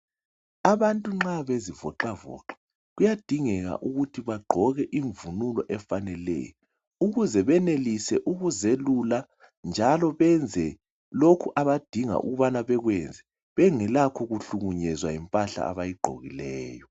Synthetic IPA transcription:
aβantʼuŋ͡ǁaβezivɔǃavɔ̰ǃḁ | ɣujad̥ʱiŋɛɣa̰ʔuɣutʰiβaɡ͡ǃʱɔɣɛʔiɱvunulɔʔɛfanɛlɛ̰jɔ | uɣuzɛβɛnelisɛʔuɣuzelula | nd͡ʒʱalɔβɛnd͡zʱɛ | lokʰuʔaβad̥ʱiŋa̰ʔṵɣuβanaβɛɣwɛnd͡zʱɛ | βɛŋɛlakʰɔɣuɬuɣuɲɛzwajimpʼaɬa̰a̰βajiɡ͡ǃʱo̰ɣilɛːjɔ

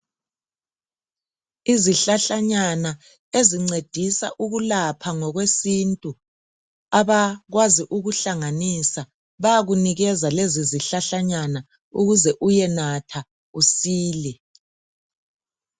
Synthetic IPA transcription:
iziɬaɬaɲana | eziŋ͡ǀed̥ʱisa̰ʔuɣulapʰaŋɔɣwesintʼu | aβaɣwaziʔuɣuɬaŋanisa | βajaɣuniɣɛzaleziziɬaɬaɲana | uɣuzɛʔujɛnatʰa | usiːlɛ

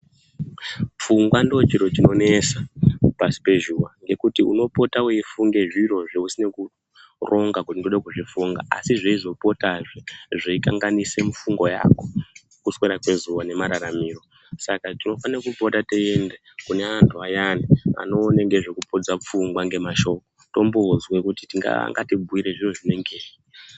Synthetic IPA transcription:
p͡fuŋɡwandot͡ʃiɾo̞t͡ʃino̞ne̞sapasi̥pe̞ʒuwaŋɡe̞kutiuno̞po̞tawoifuŋɡe̞ʐiro̞ʐeusine̞ku | ro̞ŋɡakutindoɗakuʐifuŋɡa̰ʔa̰siʐeizo̞po̞taʐeʐeikaŋɡanise̞mufuŋɡoja̰ːko̞ | kusweɾakwe̞zuʋane̞maɾaɾamiːro̞ | sakatino̞fanaakupo̞tateende | kune̞antʰuajania̰no̞ːneŋɡe̞ʐe̞kupo̞d͡zap͡fuŋɡwaŋɡe̞maʃo̞ko̞to̞mbozwekuti̥tiŋɡa̰ŋɡatibʱuiɾe̞ʐiro̞ʐine̞ŋɡeːi

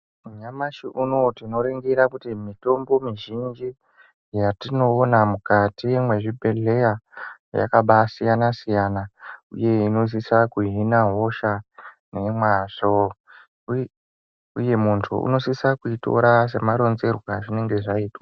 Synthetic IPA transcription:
muɲamaʃiʔuno̞tino̞ɾeŋɡiɾakutimito̞mbo̞miʒind͡ʒi | jatino̞ːnamukatiwemwe̞ʐibʱe̞ɮe̞ja | ja̰kaɓasijanasijanaṵje̞ino̞s̬isakuɦinaɦo̞ʃa | ne̞mwaʐo | uje̞muntʰṵṵno̞sisakuito̞̰ɾas̬e̞maɾo̞nze̞rwaʐine̞ŋɡe̞ʐaiːtwa

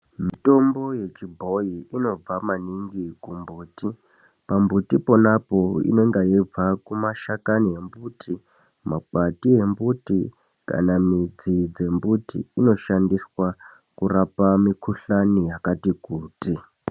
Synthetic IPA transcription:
mito̞mbo̞je̞t͡ʃibʱo̞jiino̞b͡vamaniŋɡikumbuːti | pambutipo̞napo̞ḭneŋɡajib͡vakumaʃakaniɦe̞mbuːtʰi | makatiɦe̞mbuti | ka̰namid͡zid͡ze̞mbutḭːno̞ʃandiswa | kurapamikʰuɬanijakatikuːti

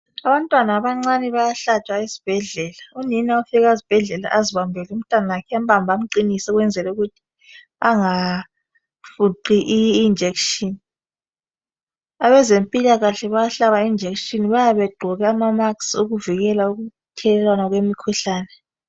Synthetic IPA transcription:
aβantʼwanaːβaŋ͡ǀanɛβajaɬat͡ʃʼwaisi̥b̥ʱɛɮɛːlauninaufiɣaizib̥ʱɛɮɛla̰ʔaziβambʱɛlɛum̩tʼwanalakʰɛam̩bʱambʱam̩ǃinisɛɣwɛnd͡zʱɛlɛuɣutʰi̥ | aŋa | fuǃiʔiːnd͡ʒʱekʃʼini | aβɛzempʼilaɣaɬɛβajaɬaβaiind͡ʒʱekʃʼiniβajaβɛɡ͡ǃʱɔɣɛamamaksuɣuviɣɛlauɣu | tʰɛlɛlwanaɣwemikʰuɬaːnɛ

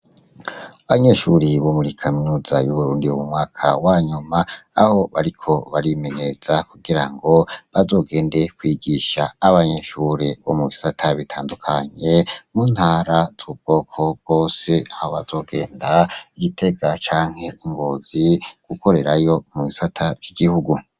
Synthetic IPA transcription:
aβaɲe̞ʃuɾiβo̞muɾikʰaminuːzajuβuɾuːndiomumŋaːkʰawaːɲumaːho̞βaɾikʰo̞βaɾime̞ɲe̞z̥akuɡiɾaŋɡo̞βazo̞ːɡe̞ːnde̞kwiɡiʃaːβaɲe̞ʃuɾeβo̞̰muβisatʰaβitʰaːndukʰaɲe̞muːnhaːɾaz̥uub̚ɡ̥o̞ːkʰo̞bɡo̞ːse̞aho̞βazo̞ːɡe̞ːndaiɡitʰe̞ɡat͡ʃaːŋhe̞iŋɡoziɡ̥uko̞ɾe̞ɾajo̞muβisatʰavjiɡihuɡu

